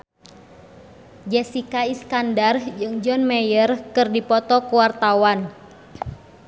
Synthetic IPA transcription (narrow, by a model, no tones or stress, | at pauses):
d͡ʒɛsikaiskandard͡ʒɨŋd͡ʒɔnmɛjərkɨrdipɔt̪ɔkuwart̪awan